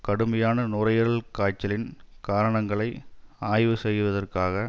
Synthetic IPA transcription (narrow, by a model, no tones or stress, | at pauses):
kɐɽɯmɐjaːnɐnʊrɐjɐɾɐɭkaːt͡ʃːɐlɪnkaːɾɐɳɐŋɡɐɭɐɪaːjʋɯsɛjːɯʋɐðɐrkaːɣɐ